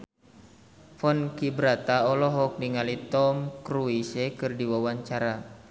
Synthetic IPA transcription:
fɔnkibɾat̪aɔlɔɦɔk̚niŋalit̪ɔmkɾuisekɨrdiwawaɲt͡ʃaɾa

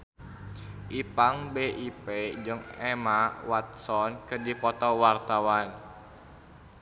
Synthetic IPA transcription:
ʔipaŋbeʔiped͡ʒɨŋɛmawat̪̚sɔnkərdipɔt̪ɔwart̪awan

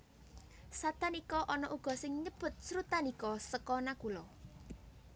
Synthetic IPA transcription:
sat̪anikɔʔɔnɔʔuɡ̥ɔ̤sɪŋɲəb̥ʊ̤t̪̚sɾut̪anikɔsəkɔnakulɔ

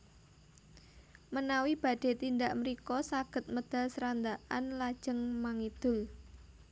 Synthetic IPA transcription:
mənawib̥a̤ɖ̪̥e̤t̪ind̪aʔməɾikɔsaɡ̥ə̤t̪̚məd̪̥a̤lsəɾand̪aʔanlḁʒ̥ə̤ŋmaŋid̪̥ʊ̤l

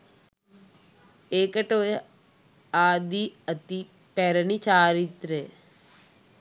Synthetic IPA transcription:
eːkəʈoːjɐ | aːd̪iət̪i | pɛɾənit͡ʃaːɾit̪ɾeː

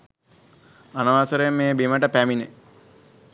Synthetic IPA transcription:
anɐʋaːsəɾemːeːbiməʈəpæminḛ

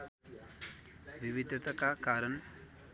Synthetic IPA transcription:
ʋiʋid̪ʱɐt̪əkakaɾən

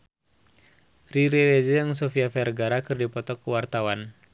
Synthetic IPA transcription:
riɾɛwezejaŋsofiafɛrɡaɾakɨrdipɔt̪ɔkuwart̪awan

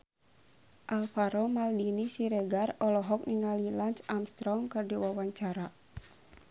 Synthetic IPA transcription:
ʔalfaɾɔmaldinisiɾɛɡarɔlɔɦɔk̚niŋalilant͡ʃamst̪ɾɔmkɨrdiwawaɲt͡ʃaɾa

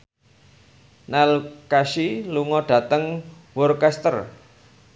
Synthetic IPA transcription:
nalkaʃiluŋɔɖ̥ä̤t̪əŋ | wɔrkɛst̪ər

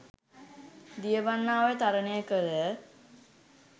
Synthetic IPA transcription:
d̪ijəbanːaːʋet̪aɾənejəkəɾə

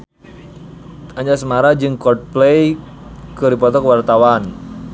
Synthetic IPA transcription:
aɲd͡ʒasəmaɾad͡ʒɨŋkɔrd̚plej | kədipɔt̪ɔkəwart̪awan

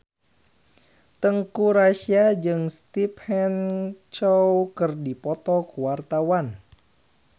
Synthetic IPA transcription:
t̪əŋkuɾaʃiad͡ʒɨŋst̪iphɛnt͡ʃɔwkərdipɔt̪ɔkuwart̪awan

